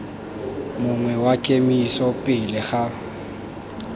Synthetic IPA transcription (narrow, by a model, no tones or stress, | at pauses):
mʊŋwɛwakʼemiisɔpʼɪlɪχa